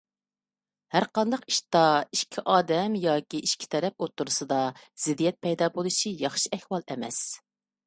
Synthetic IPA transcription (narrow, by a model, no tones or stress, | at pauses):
hæɾqɑnd̪ɑqi̥ʃt̪ɑiʃkʲʰiʔɑːd̪ɛmjɑːkʲiiʃkʲʰi̥t̪ʰɛɾɛp̚ot̪ːuɾusɨd̪ɑz̥ɪd̪ijɛt̪̚pʰɛjd̪ɑːbolˠuʃijɑχʃiɛhwɑlˠɛmɛs